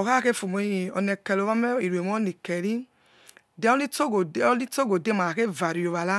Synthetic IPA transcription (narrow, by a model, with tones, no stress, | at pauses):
ɔ˨ka˦ke˦fo˨mo˨˦i˧˨ɔ̰˧nɛ˧kɛ˧lo˨˦a˦mɛ˦i˨ɾu˨e˨mɔ˦ni˨kɛ˨ɾi˦ | dɛ˦ɔ˦li˦to˦ɡo˨˦ɔ˦li˦to˦ɡo˨de˦ma˨ke˦˨va˨ɾi˨o˨va˨la˦